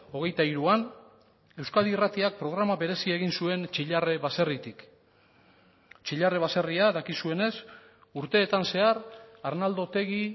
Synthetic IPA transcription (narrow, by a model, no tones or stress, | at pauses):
o̞ɣ̞e̞jt̪aiɾuan | e̞wskaðirat̪iak̚pɾo̞ɣ̞ɾamaβe̞ɾe̞sie̞ɣ̞insue̞nt͡ʃiʎareβase̞rit̪ik | t͡ʃiʎareβ̞ase̞riaðakisue̞ne̞s | uɾt̪e̞ːt̪anse̞aɾaɾnald̪o̞t̪e̞ɣi